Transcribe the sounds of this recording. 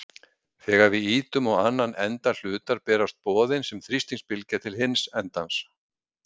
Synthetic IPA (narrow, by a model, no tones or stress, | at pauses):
θɛɣaɾvɪiːt̪ʏmɔɣanːanʔɛnt̪al̥ʏːt̪aɾpɛːɾast̪̚pɔːðɪnsɛmθɾist̪iŋspɪlcat̪ʰɪlhɪnsɛnt̪ans